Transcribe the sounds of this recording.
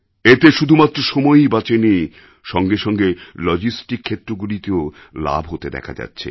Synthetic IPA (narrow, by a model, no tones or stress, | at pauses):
et̪eʃud̪ʱumat̪ːɾoʃɔmɔjbat͡ɕeni | ʃɔŋɡeʃɔŋɡelɔd͡ʑisʈikʰːet̪ːɾoɡulit̪eo | la̰bʱɦot̪ed̪ɛ̰kʰa̰d͡ʑa̰tːɕʰḛ